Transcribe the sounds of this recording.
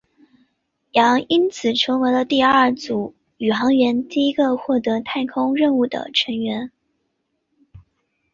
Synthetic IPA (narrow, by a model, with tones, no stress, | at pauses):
jɑ˧˥ŋi˥nt͡sʰɹ̩˨˩ʈ͡ʂʰɤ˧˥ŋwe˧˥ɪlə˧t̪i˥˧ɐə˞˥˩t͡su˨˩ | y˨˩xɑ˧˥ŋɥɛ˧˥nt̪i˥˩i˥ɡə˧xwɔ˥˩t̪ɤ˧˥t̪ʰa˥˩ɪkʰʊ˥ŋɻə˥˧nu˥˩d̪ə̰˩ʈ͡ʂʰə˧˥ŋɥɛ˧˥n